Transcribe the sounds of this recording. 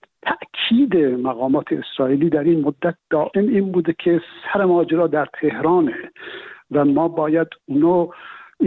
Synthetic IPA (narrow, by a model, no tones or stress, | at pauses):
t̪ʰæʔkʰiːd̪emæɣɒːmɒːt̪ʰeːsɾɒːʔiːliːd̪æɾinmod̪ːæt̪̚d̪̥ɒːʔemiːnbuːd̪ekʰesæɾemɒːd͡ʒeɾɒːd̪æɾt̪ʰehɾɑːnevæmɒːbɒːjæd̪uːnɑː